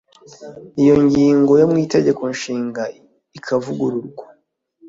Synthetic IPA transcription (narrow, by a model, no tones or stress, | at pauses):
ijo̞ɲɟiːŋɡo̞jomŋiːte̞ɟe̞ko̞nʃiːŋɡa | ikʰavuɡuɾuɾɡwa